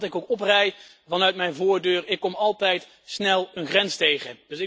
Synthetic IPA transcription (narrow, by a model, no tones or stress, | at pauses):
tɪkowkɔprɛj | vɑnœɥt̚mɛjnvʊːɹdøːrɪkːɔmɑlˠtɛjt | snɛlˠənχrɛnstejχəd̥ɵsɪ